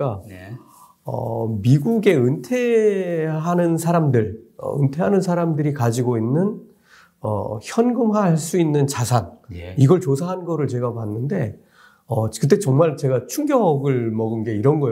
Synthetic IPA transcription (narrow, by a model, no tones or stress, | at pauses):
a | ʌ̰miɡuɡe̞ɯntʰe̞ | ɦanɯnsʰaɾamdɯɭʌ̰ɯ̰ntʰe̞ɦanɯnsʰaɾamdɯɾikad͡ʑiɡoinːɯn | ʌ̰çjʌnɡɯmɦaɭs͈uinːɯnt͡ɕasʰaniɡʌɭt͡ɕos̬ʰaɦanɡʌɾɯɭt͡ɕeɡapanːɯnde̞ | ʌkɯt̬͈e̞t͡ɕʌŋmaɭt͡ɕe̞ɡat͡ɕʰuŋɡjʌɡɯɭmʌɡɯnɡe̞iɾʌnɡʌj